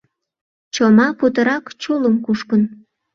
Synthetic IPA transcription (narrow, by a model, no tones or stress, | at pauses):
t͡ɕomɑput̪̬əɾɑkt͡ɕuləmkuʃkən